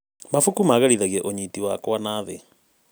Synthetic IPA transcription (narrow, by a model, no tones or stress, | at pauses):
mafukumaɣaɾiðaɣiɛʔoɲitiwakwanaðɛ